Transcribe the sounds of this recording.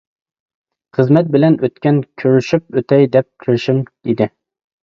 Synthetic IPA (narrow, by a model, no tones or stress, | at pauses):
χəzmɛt̪̚bɪlɛnʔøt̪kʲɛnkʲʰøɾyʃyp̚øt̪ʰɛjd̪ɛp̚kʲʰiɾɪʃimid̪ɪ